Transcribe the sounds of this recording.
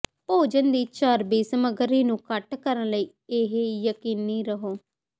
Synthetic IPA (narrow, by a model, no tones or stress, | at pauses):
poːd͡ʒənd̪iːt͡ʃaːɾbiːsməɡəɾiːnũːkəʈkəɾənləiː | eɦejəkiːnːiːɾəɦoː